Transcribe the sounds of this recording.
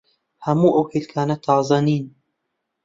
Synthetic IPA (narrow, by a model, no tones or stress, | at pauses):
hɐmuːʔɐwkʰeːlkʰaːnɐt̪ʰɑːzˤɐniːn